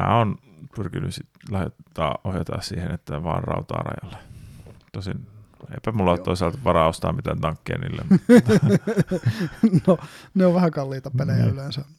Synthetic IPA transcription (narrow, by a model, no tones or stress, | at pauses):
mæ̰ːonpyrkinyssitlɑhjet̪ːɑːʔohjɑt̪ɑ̰ːssiːhenet̪ːæʋɑːnrɑut̪ɑ̰ːrɑ̰jɑlːe̥t̪osin | ḛipæmulːɑt̪t̪oisɑlt̪ʋɑrɑost̪ɑːmit̪ænt̪ɑŋkːḛːnḭːlːḛmm | noneoʋʋæhækɑlːiːt̪ɑpelejæ̰ylensæ